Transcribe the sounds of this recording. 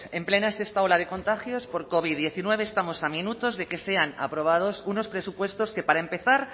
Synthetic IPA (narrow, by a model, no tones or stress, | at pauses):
e̞mple̞naese̞st̪ao̞laðe̞ko̞nt̪axjo̞spo̞ɾko̞β̞iðje̞θinwe̞β̞e̞ːst̪amo̞samĩnut̪o̞zðe̞ke̞se̞ana̰pɾo̞β̞að̞o̞suno̞spɾe̞supwe̞st̪o̞ske̞paɾaempe̞θaɾ